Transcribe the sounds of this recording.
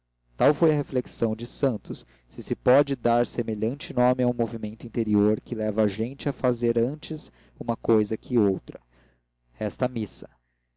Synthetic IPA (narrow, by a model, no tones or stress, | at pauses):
t̪awfojɐɦefleksɐ̃w̃d͡ʒɪsɐ̃nt̪ʊsː | ɪsɪpɔd͡ʒɪd̪aɾsemeʎɐ̃t͡ʃɪnõmɪaw̃movimẽnt̪ʊĩnt̪eɾioɾkɪlɛvɐʒẽt͡ʃɪafazeɾɐ̃nt͡ʃɪz | ũmɐkojzɐkʰʲɪowt̪ɾɐ | ɛst̪ɐmisɐ̥